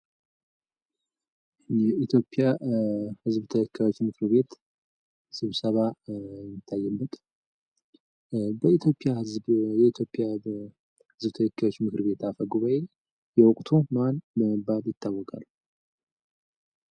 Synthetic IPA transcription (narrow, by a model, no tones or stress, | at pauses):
jɛit̪ʰjo̞pʼːjahɨzbt̪ʰəɛkʰːajo̞t͡ʃːmɨkɨɾβe̞t̪ | sɨβsəβamit̪ʰːajːɛbːət̪ʼ | bəit̪ʰjo̞pʼːjahzjɛit̪ʰjo̞pʼːija | hɨzbt̪ʰəɛkʰːajo̞t͡ʃːmɨkɨɾβe̞t̪afəɡuβae | jɛwɔkʼt̪ʰomanbəməbad̪jɪt̪ʰːawːɔkʼa̰l